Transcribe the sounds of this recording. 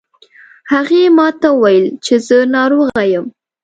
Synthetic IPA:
haɣemɑt̪aəwajəlt͡ʃezənɑɾoɣajəm

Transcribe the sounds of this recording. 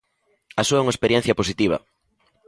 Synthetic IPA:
asuɐuŋaespeɾjɛn̟θjɐposit̪iβ̞ɐ̰

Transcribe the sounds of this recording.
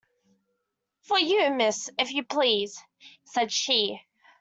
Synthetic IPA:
fəjɨmɪsɨfjɨpʰl̥iz̥ | sɛd̥ʃi

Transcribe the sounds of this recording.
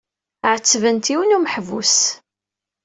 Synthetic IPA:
ʕət͡sːvənt̪iwənuməħvus

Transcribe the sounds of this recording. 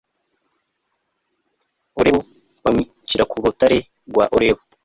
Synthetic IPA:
oɾeβo | βami | t͡ʃiɾakʰuɾutaɾe | ɡwa̰ʔoɾeβo

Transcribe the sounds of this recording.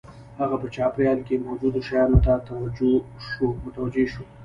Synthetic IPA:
haɣapət͡ʃɑpɾijɑlkemod͡ʒud̪oʃajɑnot̪at̪awad͡ʒoʃomʊt̪awad͡ʒeʃo

